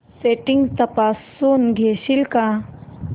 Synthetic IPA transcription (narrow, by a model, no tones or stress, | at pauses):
seːʈiŋɡt̪ɐpaːsːuːnɡʱeːʃilka